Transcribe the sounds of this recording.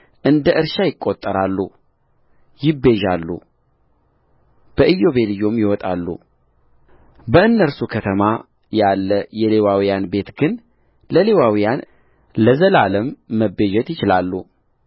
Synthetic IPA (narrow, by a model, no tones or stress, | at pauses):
ʔɨnd̪əʔɨɾʃajɪkʼːot̪ʼːəɾalːṵ | jɪbe̞ʒalːṵ | b̥əʔɨjːo̞βe̞lɨjːomjɪwɔt̪ʼalːṵ | bəɨnːəɾsukʰət̪ʰəma | jalːəjɛle̞wawijanbe̞t̪ɡɨn | ləle̞wawijan | ləzəlaləmːəbe̞ʒɛt̪jɪt͡ʃɪlalːṵ